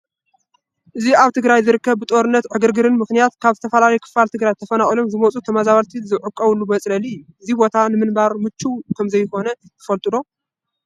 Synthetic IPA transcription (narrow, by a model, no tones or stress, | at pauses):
ʔɨziaβt̪ʰɨɡɾajzɨɾɨkːɐβbɨt̪ʼo̞ɾɨnːɐt̪ʕɨɡɨɾɡɨɾɨnmɨxnijat̪kʰaβt̪ʰɐfɐlalɐjkʰɨ̥falt̪ʰɨɡɾajt̪ʰɐfɐnaχʼilo̞mzɨmɐt͡sʼut̪ʰɐmazaβalt̪ʰizɨʕɨkʼːɐβɨlːumɐt͡sʼlɐliɪjːuʔɨzibo̞t̪ʰanɨmɨnbaɾmɨt͡ʃːukʰɐmzɐjkʰo̞nɐt̪ʰɨ̥fɐlt̪ʼɨlo̞